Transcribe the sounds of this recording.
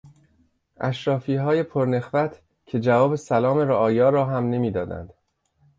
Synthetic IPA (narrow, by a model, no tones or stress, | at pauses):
ʔæʃɾɒːfiːɦɒːje̞pʰoɾne̞xvæt̪ʰ | cʰe̞d͡ʒævɒːbe̞sælɒːmeɾoʔɒːjɒːɾɒːɦæmne̞miːd̪ɒːd̪æ̰nd̪̥